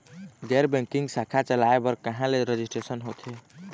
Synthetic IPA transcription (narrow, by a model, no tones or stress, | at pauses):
ɡɛɾbɛ̃ŋkiŋɡsakʰat͡ʃəlaebəɾkəɦãleɾed͡ʒisʈɾesənɦot̪ʰe